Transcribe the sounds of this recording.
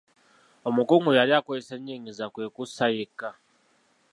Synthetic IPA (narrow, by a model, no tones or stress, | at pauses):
omukʼuŋujalakwɔiseɲiŋizakwekʼusajika